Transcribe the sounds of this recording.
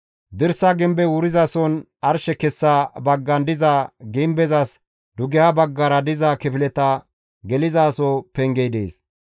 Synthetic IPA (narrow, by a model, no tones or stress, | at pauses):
d̪ɪɾsaɡɪmbɛwʊɾɪzasɔn | ɐɾʃɛkɛsːabɐɡːɐnd̪ɪzaɡɪmbɛzɐs | d̪ʊɡɪjabɐɡːɐɾɐd̪ɪzakɪpɪlɛt̪ɐ | ɡɛlɪzaːsoːpɛŋɡɛjd̪ḛːs